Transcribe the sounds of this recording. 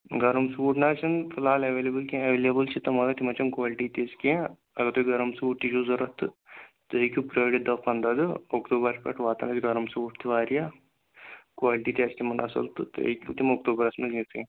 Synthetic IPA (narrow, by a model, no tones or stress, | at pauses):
ɡɐɾɐmsʋuːʈnaːt͡ʃɐnpʰilaːleʋeːlebɨlkẽɐʋeːlebɨlt͡ʃʰit̪ːɐmɐlɐt̪imɐt͡ʃɐmkʋaːliʈit̪eːskẽ | ɐɡɐt̪oɡɐɾɐmsʋuʈːiʃuːzɐɾɐt̪ːɨt̪əjkʲupɾɐːɖid̪ɐfɐnd̪ɐd̪ɨokt̪uːbɐɾspʲɐ̰ʈʋaːt̪ɐ̰nɐt͡ʃɡɐɾɐmsʋuːʈt̪iʋaːɾija | kʋaːliʈiːt̪ʲest̪imɐnɐsɐ̰lt̪ɨt̪ːkʲut̪imok̚t̪uːbɐɾɐsmɐlnsẽ